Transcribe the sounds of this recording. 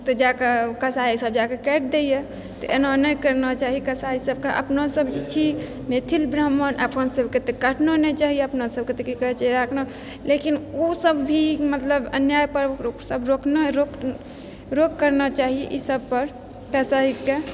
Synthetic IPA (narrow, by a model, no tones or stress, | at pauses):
t̪ɔd͡ʒakekəsaisəb̚d͡ʒakekɛʈ̚ʰd̪eje | t̪ɔʔenanəjkəɾnət͡ʃaɦikəsaisəb̚keʔə̰pnasəbd͡ʒit͡ʃʰi | met̪ʰilbɾəmənʔəpʰənsəbket̪ekəʈʰnonet͡ʃaɦieəpnasəb̚ket̪ekikəɦɛt͡ʃɾakʰno | lekinosəbbʱimət̪ləbə̰njajpəɾsəbɾokʰnəɾok | ɾok̚kəɾnət͡ʃaɦijḛʔisəb̚pəɾ | kəsaɦike